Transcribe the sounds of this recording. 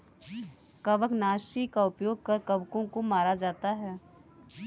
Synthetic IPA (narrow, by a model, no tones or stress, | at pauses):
kɐʋəknaːʃikaʊpjoːɡ̚kɐɾkɐʋkõkomaːɾad͡ʒaːt̪aɦɛː